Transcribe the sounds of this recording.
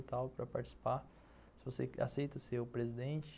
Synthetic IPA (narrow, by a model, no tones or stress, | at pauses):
t̪awpɾɐpaɾt͡ʃi̥si̥pa | sɪvosea̰sejt̪ɐsewpɾezid̪ẽnt͡ʃɪ̥